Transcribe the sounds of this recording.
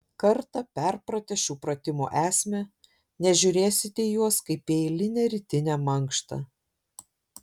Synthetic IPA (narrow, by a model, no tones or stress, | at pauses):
kɐɾt̪ɐpʲɛɾpɾɐt̪ʲɛʃʲuːpɾɐt̪ʲɪmṵːʔæːsʲmʲɛ | nʲɛʒʲʊɾʲeːsʲɪt̪ʲɛjuɔskɐɪpʲeɪlʲɪnʲɛːɾʲɪt̪ʲɪnʲɛːmɐŋkʃt̪ɐ̰